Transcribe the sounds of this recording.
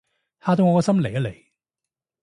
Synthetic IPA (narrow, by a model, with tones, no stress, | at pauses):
haː˧t̪o˧wŋɔː˧kɔː˧sɐ˥mle˨˩jɐ˨˥le˨˩j